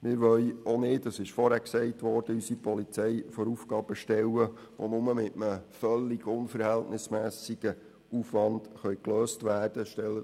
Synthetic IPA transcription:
mɪːɾʋœɥonɪːtəsɪʃfɔɾhæksɛɪtʋɔɾd̥əysipɔlit͡sɛjfoɾufɡ̥ɑːb̥əʃtɛləʋo̰nʊməmɪtəməfœlːiɡ̥ʊnfəɾhɛltnɪsmæːsiɡ̥ə | ufʋɑnd̥χœʏkløːstʋæːrd̥əʃtɛlːə

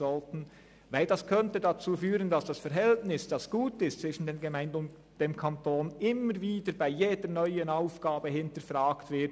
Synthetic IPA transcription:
ɔltn̩ | vaɪldaskʰœntədat͡suːfyːʁəndasd̥asfɛɾɦɛltnɪsd̥asɡ̥uːtɪstt͡sv̥ɪʃn̩deːnɡemaɪndəʊnt | d̥eːmkʰantoːnɪməɾviːdəɾbaɪjeːdənœʏənaʊfɡ̥aːbəhɪntəɾfʁaːktv̥ɪɐt

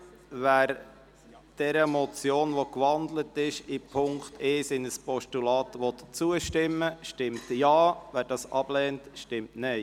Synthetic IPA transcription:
væːɾ | d̥ɛɾəmɔt͡sjoːnʋɔkʋɑnd̪lətɪʃipʰʊŋktʰesɪnəspɔʃtulɑːtʋɔt̪t͡suəʃtɪmːəʃtɪmtjɑːvæːɾdɑːsɑb̥lɛːntʃtɪmtnɛɪ

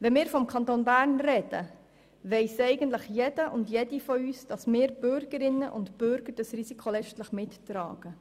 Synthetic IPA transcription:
ʋɛnmɪːɾfɔmkʰɑnt̪oːnbæːɾnrɛd̥ə̰ | ʋɛɪsɛɪɡənt̪ləχjedəʔʊndjedifɔyːsd̥ɑsmɪːɾb̥ʏɾɡ̥əɾɪnːəʔʊntb̥ʏɾɡ̥əɾd̥ɑsrisikʰolɛt͡ʃtləχmɪttɾɑ̰ːɡ̥ə

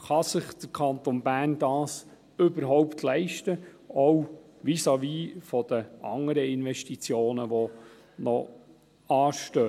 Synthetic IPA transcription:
χɑsɪχd̪̥əɾkʰɑnt̪onbæːrnd̥ɑːs | ɵbəɾɦɔʊptʰlɛɪʃtə | ɔwʋisɑʋiːfɔd̥̪əʔɑ̰ŋəɾəɪnʋɛʃtit͡sjoːnəʋɔ | nɔ | ɑːʃtøː

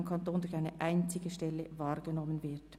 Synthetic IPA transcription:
mkʰɑntoːnd̥ʊçaɪnəʔaɪnt͡sɪɡəʃtɛlːəvɑːʁɡənɔmənvɪɐt

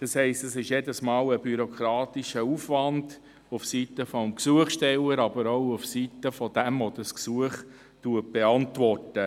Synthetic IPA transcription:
d̥ɑshɛɪstɛsɪʃjedəsmɑːləbyɾɔkɾɑːtiʃəufʋɑnd | ufsitəfɔmksuəχʃtɛləɾɑbəɾoʊufsitəfɔd̥ɛmvɔdəsksuəχ | tuət̚b̥eɑntʋɔrtə

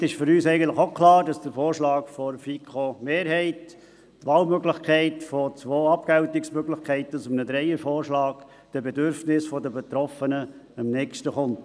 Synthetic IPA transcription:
tɪʃfʏɾyːsɛɪɡən̩t̪ləχokʰlɑːɾdɑsd̥əɾfoːɾʃlɑːɡ̥fɔɾfikʰomeːɾɦɛɪt | tʋɑːlmøɡlɪχkʰɛɪtfɔt͡sʋoːɑpkɛʊtɪksmøɡlɪχkʰɛɪt̪əsʊmənəd̪ɾɛɪəɾfoːɾʃlɑːɡ̥ | d̥əbedʏɾfnɪsfɔdəbet̪ɾɔfənəəmnɛkʃtəχʊnt

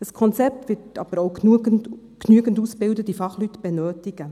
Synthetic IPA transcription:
əskʰɔnt͡sɛp̚tvɪtɑ̰b̥əɾoʊ | knyəɡəntusbɪwdətifɑχlytb̥ɛnøːtɪɡ̥ə

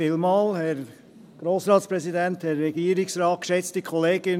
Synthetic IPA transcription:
ɪlmɑːlhɛɾ | ɡ̥ɾoːsɾɑːtspɾɛsidænthɛɾːɛɡ̥iəɾɪksɾɑːt̚kʃɛt͡stikʰχɔleːɡ̥ɪn

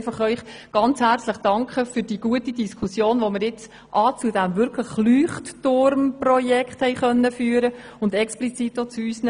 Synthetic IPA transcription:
fɑχœʏχɡ̥ɑnt͡shært͡sləχd̥ɑŋkχəfyɾd̥iːɡ̥uətidiskʰusjoːnʋoməɾjɪt͡s | ʔɑːt͡sudæmvʏɾkʰləχlyːχttʊɾmprɔjɛkχthɛɪχœnːəfyːəɾə | ʊndɛksplit͡sitːot͡suyːsn

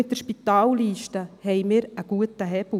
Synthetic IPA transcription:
ɪt̚dəɾʃpit̪aːlliːʃtəhɛjmɪːɾəɡ̥uətəɦɛb̥l

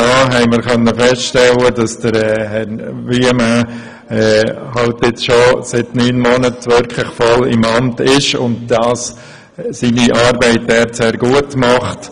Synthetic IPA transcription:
ɔɦɛɪməɾkœnːəfɛstʃtɛlədɑsd̥əɾɛːhɛɾvimæ | ɛːhɑltɪt͡sʃosɪtnyːnmɔnətʋʏɾkʰlɪχfɔlɪmɑmtɪʃʊndd̥ɑːs | siːniʔɑːɾbɛɪtɛːɾseːɾɡuətmɑχt

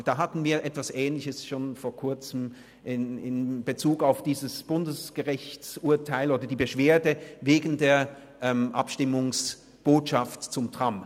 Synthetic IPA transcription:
d̥aːɦatn̩viːɐʔɛtv̥asʔɛːnlɪçəsʃoːnfoːɐkʰʊɐt͡səm | ʔɪnɪnb̥ət͡suːkaʊfd̥iːzəsb̥ʊndəsɡ̥əʁɪçt͡sʔuɐtʰaɪloːdɐdiːbəʃv̥eːɐdəveːɡn̩deːɐ | ʔɛmʔa̰pʃtɪmʊŋs | b̥oːtʃaftt͡sʊmtʁ̥am

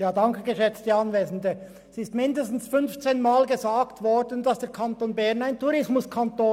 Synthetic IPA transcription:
jaːdɑŋkəɡəʃɛt͡std̥iːɑnveːzən̩də | sɪstmɪndəstn̩sfʏnft͡seːnmaːlɡəzaːɡtv̥ɔɹdəndɑsd̥eːɐkʰantoːnbɛʁnaɪntuʁɪsmʊskʰantoː

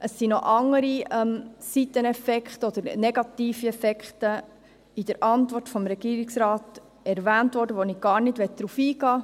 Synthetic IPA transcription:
ʔəsːinɔʔɑŋːəɾiɛmsit̪ːənɛfɛkχtəɔd̪̥əɾnɛɡ̥ɑt̪iːfiɛfɛkχtə | id̥əɾʔɑntʋɔrtfɔmɾɛɡ̥iːɾiksɾɑːt | ɛɾvæːntʋɔɾdəʋoniɡ̥ɑːɾnɪdʋɛt̚d̥ɾufiːɡɑː

